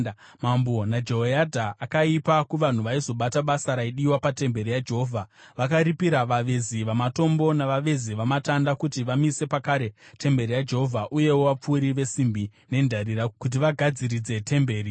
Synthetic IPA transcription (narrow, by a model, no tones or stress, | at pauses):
mambo̞nad͡ʒe̞ɦojadʱaʔːkaipakuʋan̤uʋaizo̞ɓataɓasaɾaiɗiwapate̞mbe̞ɾijad͡ʒe̞ɦoːvʱaʋakaɾipiɾaʋaʋeziʋamato̞mbo̞naʋaʋe̞ziʋamatandakutiʋamise̞pakaːɾe̞te̞mbe̞ɾijad͡ʒe̞ɦo̞vʱaʔuje̞wowap͡fuːɾiʋe̞simbine̞ndʱaɾiɾakut̬iʋaɡʱad͡ziɾid͡ze̞tʰe̞mbe̞ːɾi